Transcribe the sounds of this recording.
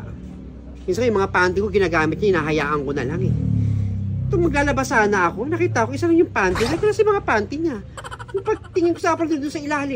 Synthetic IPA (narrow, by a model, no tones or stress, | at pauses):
mɪŋs̬aŋjʊmɐŋapant̪ɪkoɡɪnaːɡaːmɪt̪̚ɲaʔɪnaːɦɐja̰ːʔɐŋko̞nɐ̰laŋɛ | t̪oŋmɐɡ̚laːlɐbasaːnɐʔɐko̞nɐkiːt̪ɐʔɐkoʔɪsalɐŋjʊŋpant̪ɪɲak̪ʊɾasɐmɐŋapaːnt̪ɪɲanʊŋpɐɡ̚t̪ɪŋɪnkosɐʔapɐld̪ʊnd̪ʊnsɐɪlaːhlɪ